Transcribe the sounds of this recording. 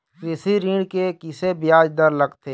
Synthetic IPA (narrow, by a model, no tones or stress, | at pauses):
kɪsiɾiːɽkekɪsebɪjaːd͡ʒd̪əɾləɡt̪ʰeː